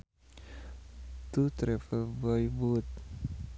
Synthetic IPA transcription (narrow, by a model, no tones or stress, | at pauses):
t̪ut̪ɾɛfəbɔjbut̪̚